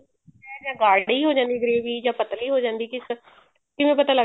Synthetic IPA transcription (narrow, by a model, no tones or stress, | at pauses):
ɛːd͡ʒãːɡaːɽiːɦoːd͡ʒãːnd̪iːɡəɾeːʋiːd͡ʒãːpət̪liːɦoːd͡ʒãːnd̪iːkɪs | kɪʋẽːpət̪aːlə